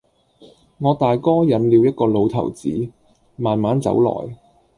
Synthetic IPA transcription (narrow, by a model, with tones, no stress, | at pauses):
ŋɔː˨˧t̪aː˨jkɔː˥jɐ˨˥nliː˨˧wjɐ˥t̚kɔː˧lo˨˧wt̪ʰɐ̰˨˩wt͡siː˨˥ | maː˨nmaː˨˥nt͡sɐ̰˧˥wlɔ̰ː˨˩j